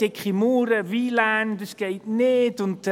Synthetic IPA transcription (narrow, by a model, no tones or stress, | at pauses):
ekχimuːɾəviːland̪əsɡ̥ejtneːdʊnt